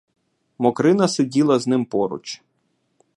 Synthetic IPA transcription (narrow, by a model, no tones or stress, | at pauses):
mɔkɾɪnɐsedʲilˠɐznɪmpɔɾʊ̰t͡ʃ